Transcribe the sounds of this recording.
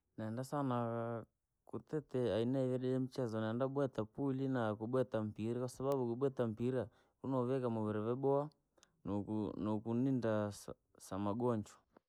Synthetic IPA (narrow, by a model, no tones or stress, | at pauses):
naɛndasana | kutɛtɛainaivɛɾɛjɛm̩t͡ʃɛzɔnaɛndabwɛtapulinakuɓwɛtam̩piɾakwasaβaɓukuɓwɛtam̩piɾa | unɔβɛkamɔβɛɾɛβɛbɔa | nnɔkunindas | samaɡɔɲd͡ʒɔ̥